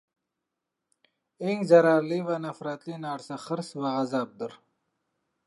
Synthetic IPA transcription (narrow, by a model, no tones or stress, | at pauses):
iŋɡzɐɾaːliwanɐfɾaːt̪linaːɽsaχəɾswaɐzaːb̚d̪əɾ